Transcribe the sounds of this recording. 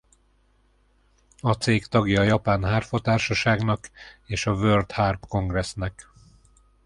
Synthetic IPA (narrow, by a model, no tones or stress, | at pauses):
ɒt̪seːkt̪ɒɡjɒjɒpaːnɦaːrfo̞t̪aːrʃɒʃaːɡnɒkeːʃɒvørd̪harpko̞ŋɡrɛsnɛk